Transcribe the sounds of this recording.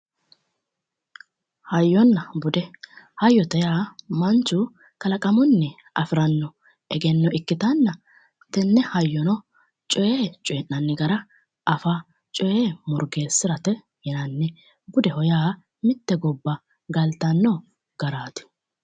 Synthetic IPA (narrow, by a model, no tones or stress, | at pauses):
hɐjːɔnːɐbʊd̪ɛhɐjːɔt̪ɛjaːmɐnt͡ʃːʊ | kɐlɐkʼɐmʊnːɛ | ʔɐ̰fɪɾɐnːɔ | ʔɛɡɛnːɔʔɪkːɪt̪ɐnːɐ | t̪ɛnːɛhɐjːɔnɔ | t͡ʃʼɔjeːt͡ʃʼɔɛnːɐnːɛɡɐɾɐ | ɐfa | t͡ʃʼɔjeːmɔɾɡeːsːɪɾɐt̪ɛ | jɪnɐnːɛ | ɡʊd̪ɛhɔjaː | mɪt̪ːɛɡɔbːɐ | ɡɐlt̪ɐnːɔ | ɡ̥ɐɾaːt̪ɪ̥